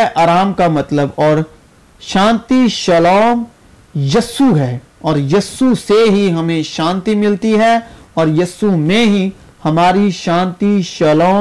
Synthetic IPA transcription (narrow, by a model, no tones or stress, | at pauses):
ʔaːɾaːmkamɐt̪ləbɔːɾ | ʃãːnt̪iʃɐlɔːm | jɐsuɦɛː | ɔːɾjɐsːuseɦiɦɐmẽʃãːnt̪imɪlt̪iɦɛɔːɾjɐsumẽɦi | hɐmaːɾiʃãːnt̪iʃɐlɔː